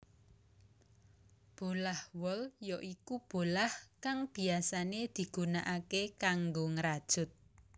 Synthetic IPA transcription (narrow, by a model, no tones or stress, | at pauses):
b̥o̤lahwɔljɔʔikub̥o̤lahkaŋb̥i̤asaned̪̥i̤ɡ̥ṳnaʔakekaŋɡoŋəɾad̥ʒ̥ʊ̤t̪̚